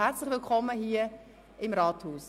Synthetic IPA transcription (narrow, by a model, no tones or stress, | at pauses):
hɛɾt͡slɪχvɪlkʰɔməɦiːə | ʔɪmɾɑːthuːs